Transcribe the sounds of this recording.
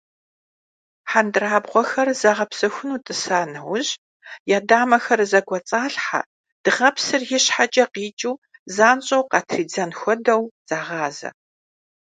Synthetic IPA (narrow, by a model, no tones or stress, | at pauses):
ħandɨraːbʁʷɔxɐrzaːʁɐpsɐxʷʊnuːtʼɨsaːnɐwʑ | jaːdaːmɐxɐrzɐɡʷɔt͡sʼaːɬħa̰ | d̥ɨʁɐpsɨrjɪɕħat͡ʃʼɐqiːt͡ʃʼuːzaːnɕʼɐwqɑtʰriːd͡zɐnxʷɔdɐwz̥aːʁɑːzɐ̰